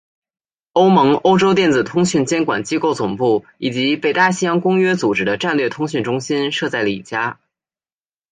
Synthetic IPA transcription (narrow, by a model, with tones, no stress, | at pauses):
o˥ʊmɤ˧˥ŋo˥ʊʈ͡ʂo˥ʊt̪jɛ˥˩nt͡sɹ̩˨˩t̪ʰʊ˥ŋɕy˥˩nt͡ɕjɛ˥nkwa̰˨˩nt͡ɕi˥ko˥˩ʊt͡sʊ˨˩ŋpu˥˩ | i˨˩t͡ɕi˧˥pe˨˩ɪt̪a˥˩ɕi˥jɑ˥ŋkʊ˥ŋɥɛ˥t͡su˨˩ʈ͡ʂɻ̩˥d̪ə˧ʈ͡ʂa˥˧nlɥɛ˥˩t̪ʰʊ˥ŋɕy˥˩nʈ͡ʂʊ˥ŋɕi˥nʂɤ˥˧t͡sa˥˩ɪlə˩ḭ˨˩t͡ɕja˥